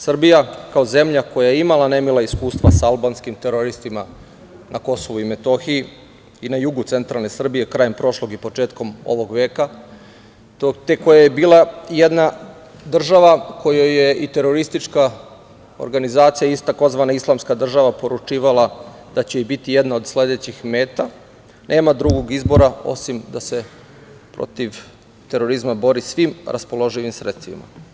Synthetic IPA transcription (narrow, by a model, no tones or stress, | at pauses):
sr̩bijakao̞ze̞mʎako̞jajeimalane̞milaiskuːst̪ʋasaalbaːnskimt̪eɾoɾist̪ima | nʔako̞soʋuime̞t̪o̞xii | inajuɡut̪se̞nt̪ɾalˠne̞sr̩bije̞kɾaːjempɾo̞ʃlˠo̞ɡipo̞t͡ʂe̞ːt̪ko̞mo̞̰ʋo̞ɡʋe̞ːka | t̪ot̪eko̞jaje̞biːlˠajed̪na | d̪r̩ʒaʋako̞joje̞ʔit̪e̞ɾo̞ɾist̪it͡ʃka | o̰ɾɡanizaːt̪sijait̪ako̞zʋanaislˠamskad̪r̩ʒaʋapo̞ɾut͡ʃiːʋalˠa | d̪̥at͡ɕe̞ibit̪ijed̪nao̞d̪sle̞d̪e̞t͡ɕixme̞ːt̪a | nʔe̞ːmad̪ɾuɡoɡizbo̞ɾao̞̰simd̪ase̞ | pɾo̰t̪iʋ | t̪eɾo̞ɾizmabo̞ɾisʋimɾʔa̰spo̞lˠo̞ʒiʋimsɾet̪st̪ʋḭma̰